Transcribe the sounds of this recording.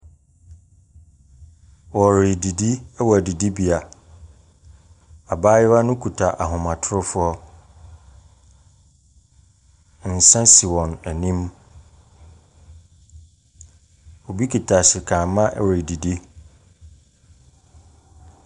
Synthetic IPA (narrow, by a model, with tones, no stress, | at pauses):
wɔ˨ɾɪ˨di˨di˦ɛ˦wɔ˨æ˨di˨di˦bi˨a˨ | a˨baː˦jɪ˦wa˦nʊ̃˦kʰu˨tʰa˨ʔa˨ɦʊ̃˨mã˨tʰʊ˦ɾʊ˦fʊ˦ɔ˦ | n̩˨sã˦si˨wɔ̃˨næ˨nĩ˦m | o˨bi˦kʰi˨tʰa˨sɪ˨kʰãː˨˦mã˦ʔɾe˨di˨di˦